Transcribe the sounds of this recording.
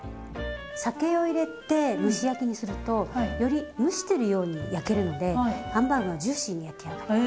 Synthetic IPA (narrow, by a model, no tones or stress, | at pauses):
sake̞o̞iɾe̞t̪e̞mɯ̟ɕijakʲiɲ̟isɨɾɯ̟t̪o̞jo̞ɾʲimɯ̟ɕi̥t̪e̞ɾɯ̟jo̞ːɲ̟ḭjake̞ɾɯ̟no̞d̪e̞hãmbaŋɡad͡ʑɨːɕĩɲ̟ːijat̪ːejaɡ̪ḁ